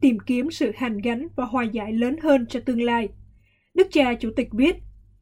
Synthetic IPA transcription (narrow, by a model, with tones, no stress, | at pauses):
t̪i˨˧˩mki˨˦əmsɨ̰˧˨haː˨˩ŋɣa˨˦jŋ̟vaː˨˩ɦwaː˨˩jza̰ː˧˩jləː˨˦nɦəː˧nt͡ɕɔ˧t̪ɨ˧əŋlaː˧j | ɗɨ˦˥k̚t͡ɕaː˧t͡ɕṵ˧˩t̪ï˨˩k̟̚ɓi˦˥ət̚